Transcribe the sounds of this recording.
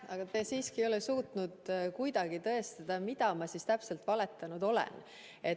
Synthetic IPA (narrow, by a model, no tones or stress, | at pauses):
ɑɡ̥ɑt̪esiːskio̞lesuːt̪ˑnud̪kujd̪ɑɡ̥it̪ɤ̞e̞st̪ɑd̪̥ɑmid̪ɑmɑsist̪æpse̞lt̪vɑle̞t̪ːˑɑnud̪o̞lḛn | e̞